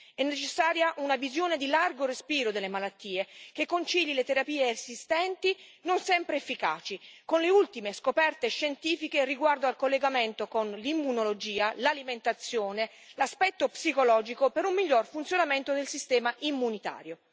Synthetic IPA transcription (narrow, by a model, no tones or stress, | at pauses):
ɛnːet͡ʃesːaːɾjaʔunavizjoːned̪ilarɡorespiːɾod̪elːemalat̪ːiːekekːont͡ʃiʎːilet̪eɾapiːeːsist̪ɛnt̪inonsɛmpɾeːfːika̰ːt͡ʃikonleult̪imeskopɛrt̪eʃent̪iːfikeriɡward̪oalkolːeɡament̪okonlimːunolod͡ʒiːalaliment̪at̪sːjoːne | laspɛt̪ːopsikolɔːd͡ʒikopeɾumːiʎːorfunt̪sjonament̪od̪elsist̪ɛːmaʔimːunit̪a̰ːɾjo